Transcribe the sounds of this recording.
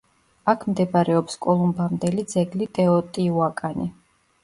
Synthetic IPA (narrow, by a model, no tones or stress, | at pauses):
akʰmd̪ɛbaɾɛɔpskʼɔlˠumbamd̪ɛlid̪zɛɡlit̪ʼɛɔt̪ʼiuakʼani